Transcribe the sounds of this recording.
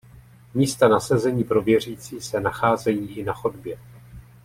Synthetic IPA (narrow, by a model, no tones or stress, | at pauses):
miːst̪anasɛzɛɲiːpɾo̞vjɛr̝iːt͡siːsɛnaxaːzɛjiːʔɪnaxodbjɛ